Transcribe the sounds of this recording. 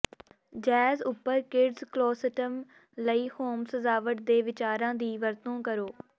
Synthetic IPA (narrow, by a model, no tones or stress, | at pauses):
d͡ʒɛːzʊpːəɾkɪɖzklɔːsəʈəm | ləiːhoːmsəzaːʋəʈ̚d̪eːʋɪt͡ʃaːɾãːd̪iːʋəɾt̪õːkəɾoː